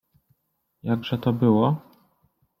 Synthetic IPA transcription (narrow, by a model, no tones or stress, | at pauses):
jaɡʐɛt̪ɔbɘwɔ